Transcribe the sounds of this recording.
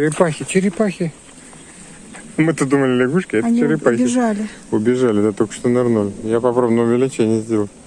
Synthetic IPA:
t͡ʃɪɾʲɪpaxʲɪt͡ɕɪɾʲɪpaxʲɪ | mɨt̪əd̪uməlʲɪlʲɪɡuʂkʲɪɛt̪anʲiɪɾʲɪpaxʲbʲɪʐalʲɪʊbʲɪʐalʲɪd̪at̪okə̥ʂt̪onɐrnolʲjapɐpɾavnəmʊvʲɪlʲɪt͡ɕenʲɪjəzʲdʲelˠəlˠ

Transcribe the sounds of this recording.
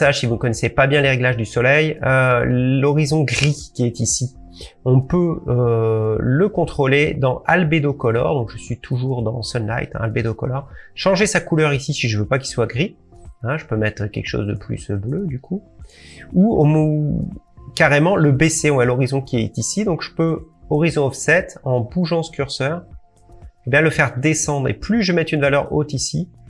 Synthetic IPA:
saʒsivunəkɔnɛsepabjɛ̃leʁeɡlaʒd̪ysɔlɛj | lɔʁizɔ̃ɡʁikʲiɛt̪isi | ɔ̃pøø | ləkɔ̃t̪χoled̪ɑ̃ʔalbed̪okɔlɔ̰ʁd̪ɔ̃kʒ̥əsɥit̪ʰuʒuʁd̪ɑ̃sɔnla̰jt̪ɛ̰̃a̰lbed̪okɔ̰lɔʁʃɑ̃ʒesakulœʁisisiʒəvøpak̬ilswaɡʁi | ɛ̃ʒəpømɛt̪χkʲɛ̰lkəʃo̰zd̪ə̰ply̰sblød̪ykʰu | uomo | kaʁemɑ̃ləbeseɔ̃walɔʁizɔ̃kʲiɛt̪isid̪ɔ̃kʒ̥əpø | ɔʁizɔ̃ɔfsɛt̪ɑ̃buʒɑ̃sə̥kʲyʁsœʁ | ebjɛ̃ləfɛʁd̪esɑ̃d̪ʁḛplyʒəmɛt̪ynvalœʁo̰t̪isi

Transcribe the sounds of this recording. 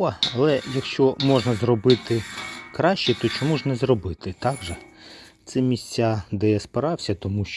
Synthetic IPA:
ɐɐlˠɛjɐkʃt͡ʃɔmɔʒnɐzrɔbɪt̪ɪkɾɑʃt͡ʃɛt̪ɔt͡ʃɔmuʐnɛzrɔbɪt̪ɪt̪ɑɡʒɛ | t̪sɛmʲisʲt͡sʲːad̪ɛjɛspɪɾɑwsʲɐt̪ɔmuʃt͡ʃ

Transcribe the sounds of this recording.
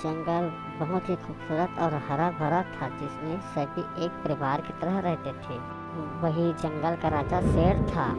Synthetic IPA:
d͡ʒɐ̃ŋɡəl | bəɦʊt̪ɦixuːbsuːɾət̪ɔːɾɦɐɾabʱəɾat̪ʰad͡ʒɪsmẽsəbʱieːk̚pəɾɪʋaːɾkit̪əɾəɦɾɛɦt̪et̪ʰeː | ʋɐɦid͡ʒɐ̃ŋɡəlkaɾaːt͡ʃaseːɽt̪ʰaː

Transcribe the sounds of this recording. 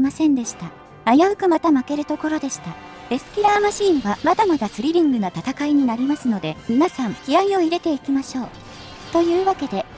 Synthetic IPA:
masẽ̞nd̪e̞ɕi̥t̪a | ajaɯ̟kɯ̟mat̪amake̞ɾɯ̟t̪o̞ko̞ɾo̞d̪e̞ɕi̥t̪a | e̞sɨ̥kʲiɾaːmaɕĩːɰ̃βamad̪amad̪asɨɾʲiɾʲĩŋɡɯ̟nat̪at̪akaiɲ̟inaɾʲimasɨno̞d̪e̞mʲinasãŋkʲiɾaio̞iɾe̞t̪e̞ikʲimaɕo̞ː | t̪o̞jɯ̟ːβake̞d̪e̞

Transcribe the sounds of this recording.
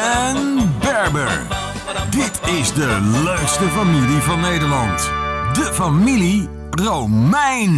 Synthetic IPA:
ɛnbɛɹbə̰ɹ | dɪtɪzdəløɥkstəfamilivɑnːejdəɹlɑntdəfamili | rowmɛjn

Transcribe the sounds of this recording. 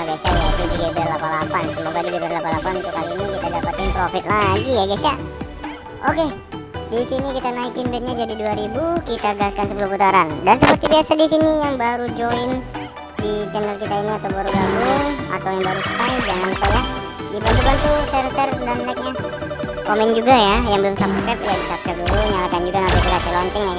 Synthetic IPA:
ɡasajaat̪udiɡabɛrlapalapansəmoɡadiɡebɛrlapalapanunt̪ʊkːaliːnikit̪adapat̪ɪnpɾofɪt̪̚laɡijaɡasa | ʔoke | disinikit̪anaikɪnbɛt̪̚ɲad͡ʒadiduaɾibukit̪aɡaaskansəpuluhput̪aɾandansəpərt̪ibiasadisinijaŋbaɾud͡ʒoɪn | dit͡ʃɛnəlkit̪ainiat̪awbaɾuɡaɡʊŋa̰t̪awjaŋbaɾusə̥t̪aɪd͡ʒaŋanupaja | dibant̪ukant̪usɛrsɛrdanlak̚ɲa | komɛnd͡ʒuɡajajaŋbəlʊmsapskɾajp̚ladisap̚kaduluɲalakand͡ʒuɡanart̪ut̪ukat͡ʃəlɔɲt͡ʃɛŋja

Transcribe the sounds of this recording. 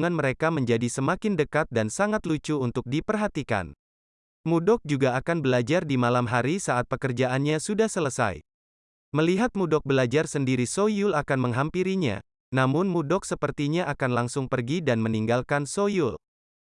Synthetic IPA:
ŋanməɾekaməɲd͡ʒadisəmakɪndəkat̪̚dansaŋat̪lut͡ʃuːnt̪ʊk̚dipərɦat̪ika̰n | mudɔk̚d͡ʒuɡaːkanbəlad͡ʒardimalamɦaɾisaʔat̪̚pəkərd͡ʒaʔanɲasudahsələsa̰j | məliɦat̪̚mudɔk̚bəlad͡ʒarsəndiɾisojulakanməŋɦampiɾiɲa̰ | namʊnmudɔksəpərt̪iɲaʔakanlaŋsʊŋpərɡidanməniŋɡalkansojul

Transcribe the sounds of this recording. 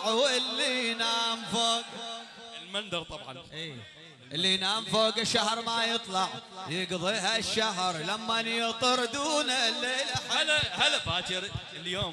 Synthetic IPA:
ʕuʔɪlːinaːmfoːɡ | lmand̪ɑɾˤt̪ˤɑbʕɑ̰nʔiː | ʔɪlːinaːmfoːɡɪʃːaɦɾˤmajɨt̪ˤlɑʕjɪɡðˤiːɦaʃːaɦɾˤlamːanjɪt̪ˤɨɾˤd̪uːnalːeːlaħhlahalafaːt̪ɪɾ | ɪljoːm

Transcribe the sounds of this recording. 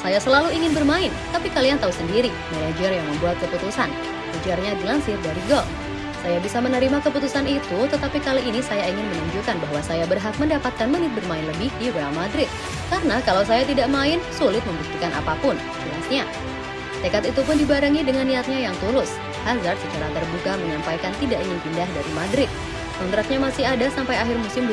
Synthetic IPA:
sajasəlaluiŋɪnbərmaɪnt̪apikaliant̪ausəndiɾi | menad͡ʒərjaŋməmbuat̪̚kəput̪usan | kud͡ʒarɲadilaŋsɪrdaɾiɡɔl | sajabisamənəɾimakəput̪usanit̪ut̪ət̪apikaliʔːnisajaiŋɪnmənuɲd͡ʒukanbaɦwasajabərɦak̪̚məndapat̪̚kanmənɪt̪̚bərmaɪnləbɪhdiɾealˠmadɾɪt̪̚ | karnakalaws̬ajat̪idaʔmaɪnsulɪt̪̚məmbuk̚t̪ikanʔa̰papʊn | iasɲa | t̪ekat̪it̪upʊndibaɾəŋidəŋanːiat̪̚ɲajaŋt̪ulʊs | hazart̪sət͡ʃaɾat̪ərbukaməɲampajkant̪idaʔiŋɪnpindahdaɾimadɾɪt̪̚ | mɔnt̪ɾak̪̚ɲamasɪɦadasampajaɦɪrmusɪmb

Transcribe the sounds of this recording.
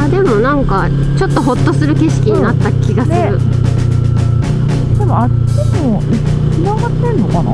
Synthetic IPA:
aːd̪e̞mo̞nãŋka | t͡ɕo̞t̪ːo̞ɦo̞t̪ːo̞sɨɾɯ̟ke̞ɕi̥kʲiɲ̟inat̪ːakʲiɡasɨɾɾɯ̟ | d̪e̞mo̞at͡ɕimo | kʲinaɡat̪ːẽ̞nːo̞kɑna̰

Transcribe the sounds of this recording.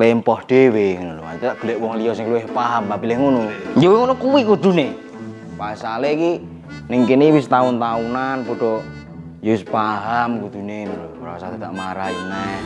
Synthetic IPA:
lempɔhd̪̥eweŋnuloa̰nit̪t̪aʔɡ̥ṳlɛʔwɔŋliɔsɪŋkluwehpaɦamabilɪhŋonud͡ʒowŋonukuwikud̪̥ṳne | paisaleki | niŋkiniwist̪aunt̪aunanpɔɖ̥ɔ | jospaɦamkud̪̥unenulomɾa̰sat̪ed̪aʔmaɾaina

